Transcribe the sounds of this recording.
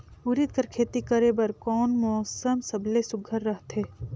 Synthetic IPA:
uɾɪt̪̚kɐɾkʰeːt̪ikɐɾebɐɾkɔːnmɔːsəmsɐblesʊɡʱəɾːɐɦt̪ʰeː

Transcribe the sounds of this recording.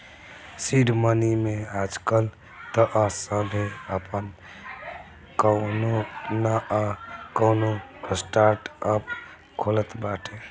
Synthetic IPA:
siɖmənimead͡ʒkəl | t̪əʔasəbʱeəpən | kənonaʔkəwnosʈaɾʈəp | kʰolət̪baʈʰe

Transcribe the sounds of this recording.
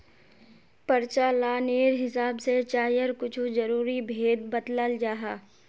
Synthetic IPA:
pɐɾt͡ʃalaːneːɾɦɪsaːbset͡ʃaːjəɾkʊt͡ʃʰud͡ʒɐɾuːɾibʱeːd̪̚bɐt̪ləld͡ʒaːɦaː

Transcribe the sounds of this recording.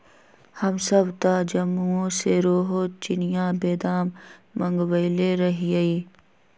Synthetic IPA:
hɐmsɐbt̪aːd͡ʒɐmːuõseɾoːɦot͡ʃɪnɪjãːbeːd̪aːmːɐ̃ŋɡwəɪleɾɐɦiɐiː

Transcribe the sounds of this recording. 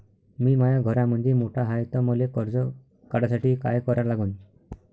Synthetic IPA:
mimajaɡʱɔɾamɔnd̪imoʈʰaɦajt̪ɔmɔlekɔɾd͡zɔ | kaɽasaʈikajkɔɾaɾlaɡun

